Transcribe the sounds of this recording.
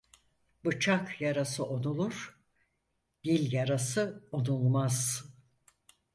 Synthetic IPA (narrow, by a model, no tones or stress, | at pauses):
bɯt͡ʃʰakjaɾasɯʔo̞nulˠuɾ̥ | d̪̥ilʲjaɾasɯo̞nulˠmaz̥